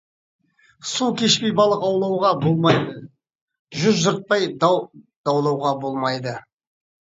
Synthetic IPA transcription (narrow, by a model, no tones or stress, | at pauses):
sukʲʰe̞ʃpejbɑlˠəqɑwlˠɑwʁɑbolˠmɑjd̪ə | ʒʏzʒʊɾt̪̚pɑj | d̪̥ɑwlˠɑwʁɑbo̞lˠmɑjd̪ə